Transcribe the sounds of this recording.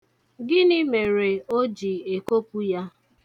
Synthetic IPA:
ɡɪ˦nɪ˦me˨ɾe˨o˦d͡ʒi˨e˨ko˦pu˦ja˦

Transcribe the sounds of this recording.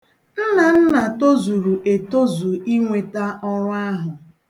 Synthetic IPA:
n̩˦na˨n̩˦na˨to˦zu˨ɾu˨ʔe˨to˦zu˨i˦ŋʷe˨ta˦ʔɔ˦ɾʊ˦a˦ɦʊ˨

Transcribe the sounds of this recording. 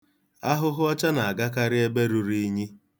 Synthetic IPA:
a˦ɦʊ˦ɦʊ˦ɔ˦t͡ʃa˦na˨a˨ɡa˦k̬a˦ɾɪ˦e˦be˦ɾu˨ɾi˦i˦ɲi˦

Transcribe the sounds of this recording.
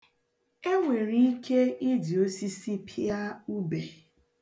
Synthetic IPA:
e˦ŋʷe˨ɾi˦i˦kʰe˦ɪ˦di˨o˦si˦si˦pʰi˦a˦u˦be˨

